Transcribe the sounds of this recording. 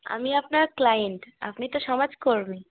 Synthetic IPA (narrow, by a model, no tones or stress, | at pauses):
a̰miapnaɾklajeɳʈa̰pnit̪oʃɔmad͡ʑkoɾbi